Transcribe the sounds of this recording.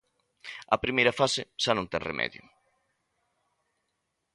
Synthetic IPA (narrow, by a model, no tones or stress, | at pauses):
ɐpɾimejɾɐfasɪʃanõŋt̪ɛŋrḛmʔɛ̰ðjʊ̰